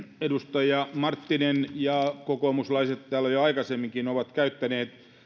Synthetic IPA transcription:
edust̪ɑjɑmɑrt̪ːinenjɑkokomuslɑiset̪t̪æːlːæjoɑikɑsemːiŋkinoʋɑt̪kæyt̪ːæneːt̪

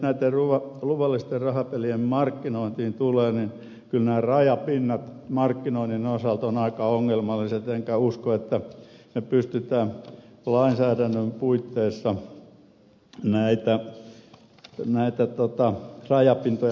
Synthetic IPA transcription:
næit̪ːeruʋɑluʋɑlːist̪errɑhɑpeliemmɑrkːinoˑint̪iːnt̪uleːnin | kylnæːrɑjɑpinːɑt̪mɑrkːinoininosɑlt̪onɑikɑoŋːelmɑlːˑiset̪eŋkæuskoet̪ːænepyst̪yt̪æːnlɑinsæːdænːømpuit̪ːeːsːɑ | næit̪æ | næit̪æt̪ot̪ɑrɑjɑpint̪oj

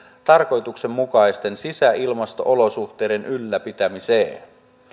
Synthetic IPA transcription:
t̪ɑrko̞jt̪ukse̞mːukɑjst̪e̞nsisæʔilmɑst̪o̞̰ʔolo̞suxt̪e̞ːde̞nʔylːæpit̪æmiseː

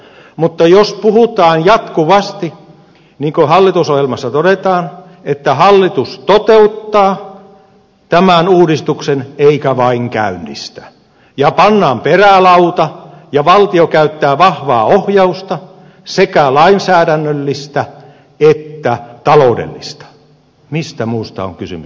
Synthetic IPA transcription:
mut̪ːɑjospuhut̪ɑːnjɑt̪kuʋɑst̪i | niːŋkohɑlːit̪usohjelmɑsːɑt̪oɾet̪ɑːn | et̪ːæhɑlːit̪ust̪ot̪eut̪ːɑː | t̪æmænuːdist̪ukseneikæʋɑiŋkæ̰ynːḭst̪æ̥ | jɑpɑnːɑːmperælɑut̪ɑjɑʋɑlt̪iokæyt̪ːæːʋɑhʋɑ̰ːohjɑust̪ɑ | sekælɑinsæːɾænːølːist̪æ | et̪ːæt̪ɑloudḛlːist̪ɑ̥ | mist̪æmuːst̪ɑ̰o̰ŋkysy̰mys

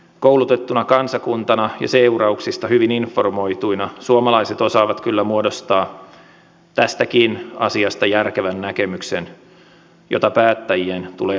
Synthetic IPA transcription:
kowlut̪et̪ːunɑkɑnsɑkunt̪ɑnɑjɑ̰seurɑuksist̪ɑhyʋininfːo̞rmo̞it̪uinɑsuomɑlɑiset̪o̞sɑːʋɑt̪kylːæmuodost̪ɑː | t̪æst̪ækinɑ̰siɑst̪ɑjærkeʋænːækemyksḛn | jo̰t̪ɑpæːt̪ːæjient̪ṵleː

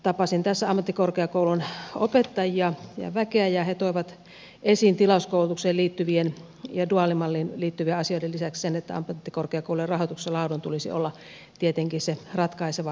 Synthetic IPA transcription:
t̪ɑpɑsint̪æsːæɑmːɑt̪ːikorkeɑkoulunopet̪ːɑjiɑjɑ̰ʋækeæjɑhet̪oiʋɑt̪ | ʔesint̪ilɑuskoˑulut̪ukseːliːt̪ːyʋien | jɑduɑlimɑlːiːnliːt̪ːyʋieɑsioidelisækssenet̪ːæ̰ɑ̰mːt̪ːikorkeɑkoˑuluerɑhot̪ukselɑˑudont̪ulisḭo̰lːɑ | t̪iet̪eŋkiserɑt̪kɑiseʋɑ

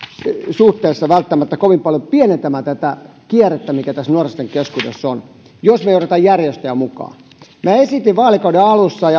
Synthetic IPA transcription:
suht̪eˑːsːɑʋælt̪ːæmæt̪ːækoʋimpɑljopiɛnent̪æmæt̪æt̪ækiɛret̪ːæmikæt̪æsnuorest̪eŋkeskudḛsːon | josmeioret̪ɑjjærjest̪ææmukɑ̰ː | mæːesit̪iʋʋɑːlikɑudeɑlusːɑjɑ

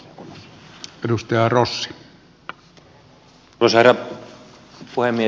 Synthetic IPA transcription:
edust̪ɑjɑrosːi̥ | osheræ | puhemːie

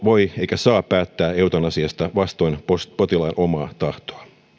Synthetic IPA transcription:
ʋo̞jeijkæsɑːppæːt̪ːæːeut̪onɑsiɑst̪ɑʋɑst̪o̞inpospot̪ilɑinʔo̞mɑːt̪ɑht̪oɑ

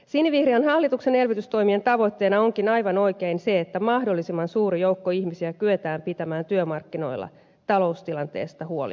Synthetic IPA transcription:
sinːiʋihriɑnɦɑlːit̪ukse̞ne̞lʋit̪yst̪o̞jmie̞nt̪ɑʋo̞t̪ːe̞ːnɑo̞ŋkinɑjʋɑno̞jke̞inse̞ːt̪ːæmɑhdolːisimːɑnsuːɾijo̞wkːoiçmisiækyet̪æːmpit̪æmæːnt̪yømɑrkːino̞̰jlːɑ̰ | t̪ɑlo̞ust̪ilɑnt̪e̞̰ːst̪ɑhuo̞̰lḭ

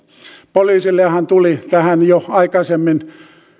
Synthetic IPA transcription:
poliːsilːeɑhænt̪ulit̪æhænjoɑikɑsemːin

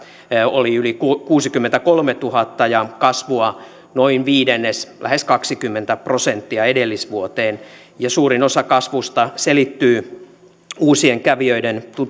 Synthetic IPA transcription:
oliylikkuːsikymːent̪ækolmet̪uhɑt̪ːɑjɑkɑsʋuɑ | noinʋiːdenːeslʔæ̰heskɑksikymːent̪æprosent̪ːiɑedelːisʋuot̪eːn | jɑsuːrinosɑkɑsʋust̪ɑselit̪ːyː | uːsieŋkæʋiøident̪u

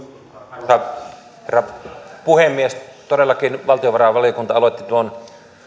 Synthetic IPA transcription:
ɑˑ | herːɑpuhemːiest̪odelːɑkinʋɑlt̪ioʋɑrɑˑʋɑlijokunt̪ɑɑloet̪ːit̪uon

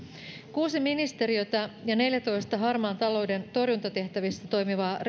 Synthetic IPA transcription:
kuːsiminist̪e̞ɾiø̞t̪ɑjɑne̞ljæt̪o̞jst̪ɑɦɑrmɑːnt̪ɑlo̞wde̞nt̪o̞rjunt̪ɑt̪e̞ht̪æʋist̪ːæt̪o̞jmiʋɑːr

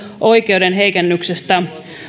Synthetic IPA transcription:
ʔo̞jke̞wde̞nɦe̞jkenːyksest̪æ

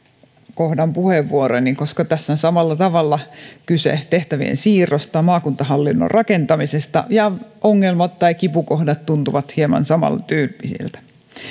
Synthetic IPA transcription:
kohdɑmpuheʋːuoɾoniŋkoskɑt̪æsːænsɑmɑlːɑt̪ɑʋɑlːɑkysḛt̪eht̪æʋiḛnsiːrˑost̪ɑmɑːkunt̪ɑhɑlːinːo̰rrʔɑkent̪ɑmisest̪ɑ̰jɑoŋːelmɑt̪tːɑikipukohdɑt̪t̪unt̪uʋɑt̪hiemɑ̰nsɑmɑ̰lt̪yːlpisḭlt̪æ̥

